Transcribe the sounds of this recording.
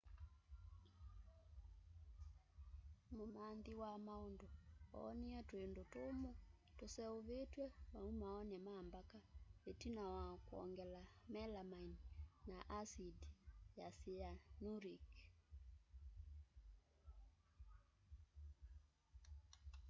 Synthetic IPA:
momandiwamaondoɔ̰niɛtwendotomo | tosɛoβetwɛmaumaɔnɛmambakaetinawakwɔ̰ŋɡɛlamɛlamaininaʔasidjasijanuɾik

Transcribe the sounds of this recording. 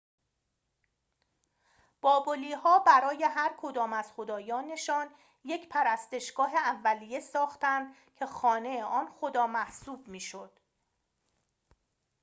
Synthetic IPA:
b̥ɒːboliːɦɒːbæɾɒːje̞ɦæɾkʰo̞d̪ɒːmæz̥xo̞d̪ɒːjɒːne̞ʃɒːn | je̞cʰpʰæɾæst̪e̞ʃɡ̥ɒːɦe̞ævːælijesɒːxt̪ænd̪ | cʰe̞xɒːne̞jeʔɒːnxo̞d̪ɒːmæhsuːb̥̚miːʃod̪̥

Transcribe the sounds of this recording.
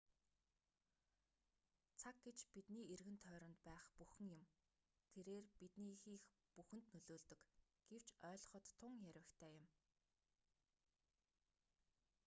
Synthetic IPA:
t͡sʰak̚ɡet͡ɕpit̪niːerɣɘ̆nt̪ʰœːɾɞ̆nt̪pæːχpuxɘ̆ŋjʊ̆m | t̪ʰeɾeːrpit̪niːxiːx | puxɘ̆nt̪nɵɮoːɮt̪ɵ̆k | ɡ̥ew̥t͡ɕœːɮ̆χə̆t̪ʰːʊŋjæɾʲwɘ̆kt̪ʰæːjʊ̆m

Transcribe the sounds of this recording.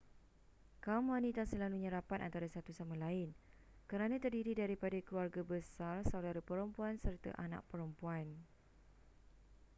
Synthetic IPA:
kamãnĩt̪asəlaluɲə̃ɾapanant̪aɾasat̪usamãlaɪn | kəɾanãt̪ərdiɾidaɾipadakəluarɡabəsarsawdaɾəpəɾəmpuansərt̪a̰ʔanã̰ʔ̚pəɾəmpuan

